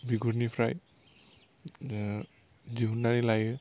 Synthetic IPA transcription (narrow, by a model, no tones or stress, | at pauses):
biɡuɾnipʰɾaj | d͡ʒiɦunːanilajɯ